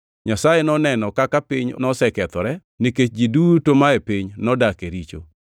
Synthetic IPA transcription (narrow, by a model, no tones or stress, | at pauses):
ɲasajenɔnɛnɔkakapiɲnɔsɛkɛt̪ɔɾɛ | niket͡ʃd͡ʒidutomaepiɲnɔdakeɾit͡ʃo̰